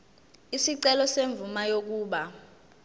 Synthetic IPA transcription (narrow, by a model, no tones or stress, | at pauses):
isiǀɛlɔseɱb̪vumajok̬uːɓa